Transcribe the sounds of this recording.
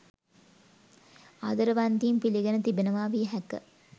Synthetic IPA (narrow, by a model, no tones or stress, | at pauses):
a̰d̪əɾəʋand̪iːmpiliɡenət̪ibenəʋaːʋiɦɛkə̰